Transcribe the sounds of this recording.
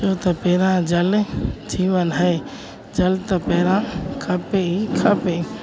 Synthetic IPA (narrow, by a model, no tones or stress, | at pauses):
t͡ʃoːt̪ɐpeːɾãd͡ʒəld͡ʒiːʋənɦɛː | d͡ʒəlt̪ɐpeːɾãkʰɐpeikʰəpe